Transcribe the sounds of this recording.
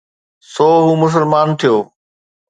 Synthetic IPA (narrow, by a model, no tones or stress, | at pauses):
sɔːɦuːmʊs̬əlmaːnt̪ʰijoː